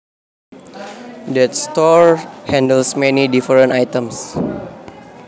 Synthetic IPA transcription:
dɛtst̪ɔɹhɛ̃ndəlsmɛnidifəɾə̃najt̪ə̃ms

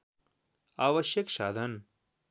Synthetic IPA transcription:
aːʋɐʃjɐkʃaːd̪ʱɐn

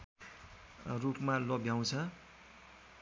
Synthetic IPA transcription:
rupmalʌbjaw̃t͡sʰʌ

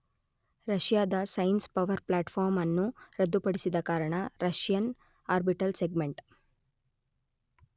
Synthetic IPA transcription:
ɾɐʂjaːd̪ɐsɐjnspɐʋɐɾplaːʈpʰaːɾmɐnːuɾɐd̪ːupɐɽisid̪ɐkaːɾɐɳɐɾɐʂjɐn | aːɾbiʈɐlseɡmeɳʈ

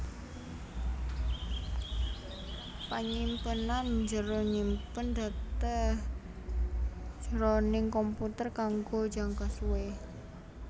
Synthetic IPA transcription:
paɲimpənand͡ʒəɾoɲimpənd̪̥a̤t̪ə | d͡ʒ̥əɾonɪŋkɔmput̪ərkaŋɡo̥d͡ʒa̤ŋkasuwe

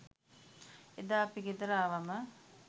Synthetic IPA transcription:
ed̪aːpiɡed̪əɾaːʋamə

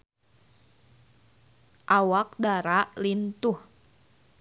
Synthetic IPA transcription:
ʔawak̚daɾaʔlint̪uh

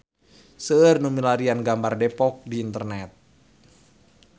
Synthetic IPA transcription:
səːrnumilaɾianɡambardepɔk̚diːnt̪ərnɛt̪̚

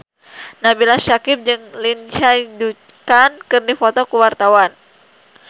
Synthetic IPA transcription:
nabilaʃakɪp̚d͡ʒɨŋlint͡ʃadu | kankɨrdifɔt̪ɔkuwart̪awan

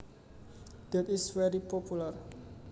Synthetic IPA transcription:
d̪̥ɛt̪ɪswɛɾipɔpular

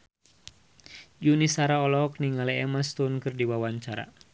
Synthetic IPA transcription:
d͡ʒunisaɾaɔlɔk̚niŋalɛɛmast̪unkɨrdiwawaɲt͡ʃaɾa̰

